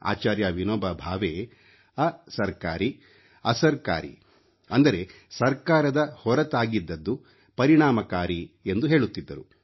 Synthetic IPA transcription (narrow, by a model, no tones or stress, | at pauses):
a̰ːt͡ʃaːɾjaʋinoːbɐbʱaːʋeː | ɐsɐɾka̰ːɾi | ɐsɐɾka̰ːɾḭ | ɐnd̪ɐɾe̞ | sɐɾkaːɾɐd̪ɐhɔɾɐt̪aːɡid̪ːɐd̪ːu | pɐɾiɳaːmɐkaːɾiend̪uɦe̞ːɭut̪ːid̪ːɐɾu